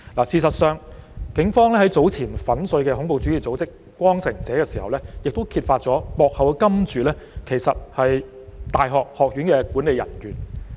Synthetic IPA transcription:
laː˨˩siː˨sɐ˨t̚sœː˨˧ŋkɪ˨˥ŋfɔː˥ŋlɛː˥hɐ˨˥jt͡so˨˥wt͡sʰiː˨˩nfɐ˨˥nsɵ˧ɥkɛː˧ɦʊ˨˥ŋpo˨˧wt͡ʃy˨˥iː˨˩t͡so˨˥wt͡sɪ˥k | kːʷɔː˥ŋsɪ˨˩ŋt͡sɛː˨˥kɛː˧siː˨˩hɐ̰˨wlɛː˥jɪ˨k̚t̪o˥wkʰiː˧t̚faː˧t̚t͡sɔː˨˥pɔː˨˧k̚hɐ˨wkɛ˧kɐ˥mt͡ʃyː˨˧lɛː˥kʰe˨˩jsɐ˨t̚hɐ˨j | t̪aː˨jɦɔː˨k̚hɔː˨k̚ɥyː˨˥nkɛː˧kuː˨˥nle˨jɐ̰˨˩nkyː˨˩n

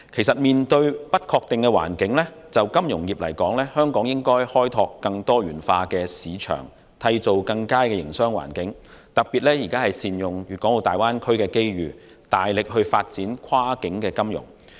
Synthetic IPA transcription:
kʰe˨˩jsɐ˨t̚miː˨nt̪ɵ˧ɥpɐ˥t̚kʰɔː˧k̚t̪ɪ˨ŋkɛː˧wa̰ː˨˩nkɪ˨˥ŋlɛː˥t͡sɐ˨wkɐ˥mjʊ˨˩ŋjiː˨p̚lɐ̰˨˩jkɔː˨˥ŋlɛː˥hœː˥ŋkɔː˨˥ŋjɪ˥ŋkɔː˥jhɔː˥jt̪ʰɔː˧kːɐ˧ŋt̪ɔː˥ɥyː˨˩nfaː˧kɛː˧siː˨˧t͡ʃʰœ̰ː˨˩ŋ | t̪ʰɐ˧jt͡so˨wkɐ˧ŋkaː˥kɛː˧jɪ̰˨˩ŋsœː˥ŋwa̰ː˨˩nkɪ˨˥ŋt̪ɐ˨k̚piː˨t̚lɛː˥jiː˨˩kaː˥hɐ˨jsiː˨njʊ˨ŋjyː˨t̚kɔ˨˥ŋo˨˧t̪aː˨jwaː˥nkʰɵ˥ɥkɛː˧ke˥jɥyː˨ | t̪aː˨jlɪ˨k̚ɦɵ˧ɥfa̰ː˧t̚t͡siː˨˥nkʰwaː˥kɪ˨˥ŋkɛː˧kɐ˥mjʊ̰˨˩ŋ

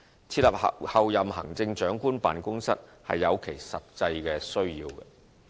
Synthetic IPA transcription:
t͡sʰiː˧t̚lɐ˨p̚hɐ˨wjɐ˨mɦɐ̰˨˩ŋt͡sɪ˧ŋt͡ʃœː˨˥ŋkuː˥npa̰ː˨nkʊ˥ŋsɐ̰˥t̚hɐ̰˨jːɐ˨˧wkʰe˨˩jsɐ˨t̚t͡sɐ˧jkɛː˧sɵ˥ɥjiː˧wɐ̰˧

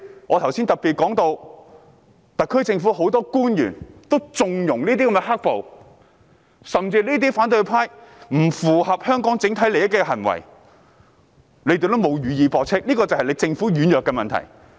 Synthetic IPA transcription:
ŋʔɔː˨˧t̪ʰɐ˨˩wsi˥nt̪ɐ˨˩pːiː˨t̚kɔː˨˥ŋt̪o˧w | t̪ɐ˨kʰɵ˥jt͡sɪ˧ŋfuː˨˥ɦo˨˥wt̪ɔː˥kuː˥njy̰ː˨˩nt̪o˥wt͡sʊ˧ŋjʊ˨˩ŋliː˥t̪̬iː˥kɐ˧˥mɛ˧ɦa˥k̚po˨w | sɐ˨mt͡siː˧liː˥t̪̬iː˥faː˨˥nt̪̬ɵ˧pʰaː˥jm̩˨˩fuː˨˩hɐ˨p̚hœː˥ŋkɔː˨˥ŋt͡sɪ˨˥ŋt̪ʰɐ˨˥jle˨jɐ˥t̚kːɛː˧ɦɐ˨˩nwɐ̰˨˩j | le˨˧jt̪e˨˩t̪o˥wmo˨˧wjyː˨˧jiː˨˧pɔː˨k̚t͡sʰɪ˥k̚liː˥kɔː˧t͡sɐ˨whɐ˨jle˨˧jt͡sɪ˧ŋfuː˨˥ɥyː˨˧njœː˨kːɛː˧mɐ˨nt̪ʰɐ̰˨˩j

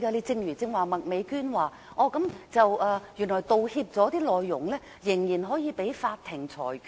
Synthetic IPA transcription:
kaː˧li˧t͡sɪ˧ŋjyː˨˩t͡sɪ˧ŋwaː˨˩mɐ˨t̚me˨˧jkyː˥nwaː˨˩ | ʔɔː˧kɐ˨˥mt͡sɐ˨wʔɐː˧jyː˨˩nlɔː˨˩jt̪o˨whiː˧p̚t͡sɔː˨˥t̪iː˥lɔː˨˧jːʊ˨˩ŋlɛː˥ | jɪ˨˩ŋjiː˨˩nɦɔː˨˥jiː˨˧pe˨˥jfaː˧t̚t̪ʰːɪ˨˩ŋt͡sʰɔ̰ː˨˩j

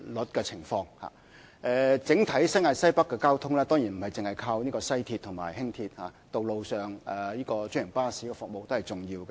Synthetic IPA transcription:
lɵ˨˥t̚kɛː˧t͡sʰɪ˨˩ŋfɔː˧ŋha̰ː˨ | ʔɛː˧t͡sɪ˨˥ŋt̪ʰɐ˨˥jsɐ˥jŋaː˨˧t̚sɐ˥jpɐ˥kːɛ˧kaː˥wt̪ʰʊ˥ŋlɛː˥t̪ɔː˥ŋjiː˨˩nm̩˨˩hɐ˨jt͡sɪ˨ŋhɐ˨jkʰaː˧wniː˥kɔː˧sɐ˥jt̪ʰi˧t̪ʰʊ˨˩ŋma̰ː˨˩jhɪ˥ŋt̪ʰiː˧t̚haː˨˧t̪o˨wlo˨wsœː˨ŋɛ˨jiː˥kɔː˧t͡ʃɵ˥ŋjɪ˨˩ŋpaː˥si˨˥kɛ˧fʊ˨k̚mo˨˧wt̪o˥whɐ˨˩jt͡sʊ˨ŋjiː˧wkɛ˧

